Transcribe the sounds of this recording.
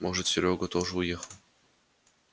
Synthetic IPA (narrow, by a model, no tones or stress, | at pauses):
moʐɨt̪sʲɪɾʲoɡət̪oʐəʊjexəlˠ